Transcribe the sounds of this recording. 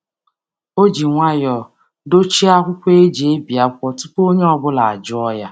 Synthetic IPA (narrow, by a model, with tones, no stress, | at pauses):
o˦d͡ʒi˨ŋʷa˦jɔ˨ | do˦t͡ʃi˦a˦kʷʊ˦kʷe˦e˦d͡ʒe˦bi˨a˦kʷɔ˦tu˦po˦ɲe˦ɔ˦bʊ˦la˨a˨d͡ʒʊ˦ɔ˦ja˦